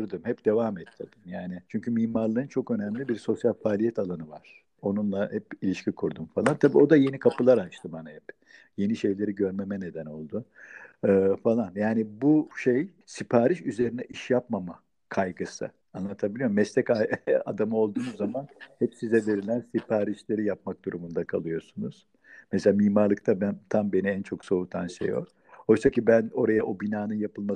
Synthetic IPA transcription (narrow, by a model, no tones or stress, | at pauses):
uɾd̪ɯmhɛpd̪̥e̞vamɛt̪ʰːiɾd̪imjaːnɪt͡ʃʰyɲcʰymiːmaɾlˠɯɯnt͡ʃʰo̞kø̞næmlʲibiɾso̞sjalʲfaːlʲijɛt̪ʰalˠanɯva̰ɾ̥ | o̞nunlˠahɛpilʲiʃcʰikʰuɾd̪umfalˠant̪ʰabiːo̞d̪aje̞nikʰapʰɯlˠaɾat͡ʃt̪ʰɯmbanahɛp | je̞niʃe̞jlʲe̞ɾiɟø̞ɾme̞mɛne̞d̪æno̞̰lˠd̪ʊ | ɯfalˠanjaːnibuʃej | sipʰaːɾiʃyze̞ɾinɛʔiʃjapmama | kʰajɡɯsɯ̰ | anlˠat̪ʰabilʲijo̞ɾmɛslʲɛcaa̰d̪amɯo̞lˠd̪uːnuzːamanhɛpsizɛve̞ɾilʲænsipʰaːɾiʃlʲe̞ɾijapmak̚d̪uɾumund̪akʰalˠɯjo̞sunuz̥ | mɛselʲamiːmaɾlˠɯk̚t̪ʰabænt̪ʰambe̞niɛnt͡ʃʰo̞kso̞ut̪ʰanʃḛjo̰k | ho̞jsacibæno̞ɾajaʔo̞binaːnɯnjapʰɯlˠma